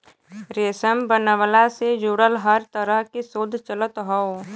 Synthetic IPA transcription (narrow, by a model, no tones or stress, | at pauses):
ɾeːsəmbənəʋəlased͡ʒuːɽəlɦəɾt̪əɾəɦkisoːd̪ʱt͡ʃələt̪ɦɔo